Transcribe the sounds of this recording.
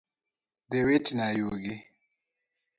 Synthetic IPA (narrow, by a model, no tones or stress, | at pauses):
d̪ewetinaːjoːɡi